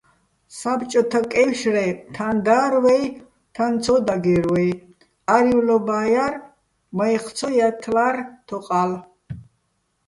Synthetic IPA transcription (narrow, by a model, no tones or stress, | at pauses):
sabt͡ʃʼɔt̪ʰakʼɛwʃrɛt̪ʰand̪aːɾwɛj | t̪ʰant͡sʰɔd̪aɡɛɾwɛj | aɾiwlɔbaːjar | mɔjχt̪t͡sʰɔjat̪ʰlart̪ʰɔqʼal